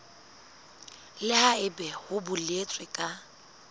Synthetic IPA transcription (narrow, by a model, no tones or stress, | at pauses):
lɪhaɪbɛhʊbʊlet͡sʼwɪkʼa